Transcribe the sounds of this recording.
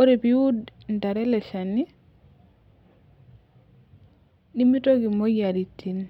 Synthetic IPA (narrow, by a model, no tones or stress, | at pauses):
oɾepiudndaɾɛlɛʃani | ɗimitoɡimojaɾitːin